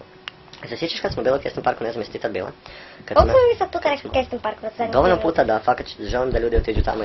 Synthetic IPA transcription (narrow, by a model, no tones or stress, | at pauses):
zɐsjet͡ʃaʃkat̪smobiloukjest̪ompaɾkunezamjst̪it̪abḭːlˠa̰kad̪ommamisad̪̚puːt̪anɛkkest̪impaɾkɐt̪zɛd̪oʋolnompuːt̪ad̪afakat̪t͡ʃ̪ʒelˠimd̪aʎuːd̪iot̪id͡ʒut̪a̰mo